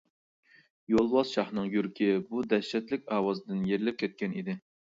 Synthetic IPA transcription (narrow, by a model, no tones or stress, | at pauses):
jolˠwɑzʃɑχnɨŋjyɾkʲʰɪbud̪ɛʃɛt̪lɪkʲɑːwɑzd̪ɪnjeɾlɪp̚kʲʰɛt̪̚kʲɛnid̪ɪ